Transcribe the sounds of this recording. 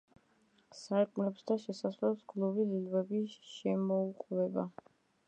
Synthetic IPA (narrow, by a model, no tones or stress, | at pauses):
saɾkʼmlɛpsd̪aʃɛsaslɛpskʰlubizilvɛbiʃɛmɔuqʼvɛba